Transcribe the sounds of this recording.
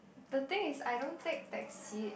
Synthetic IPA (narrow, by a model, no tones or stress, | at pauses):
d̪ət̪ɪ̃ŋɪsajdõnt̪ẽk̚d̪ɛtsi